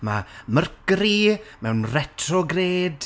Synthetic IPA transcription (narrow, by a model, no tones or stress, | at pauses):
mamərkɾimɛwnrɛtʰrɔɡreːd̥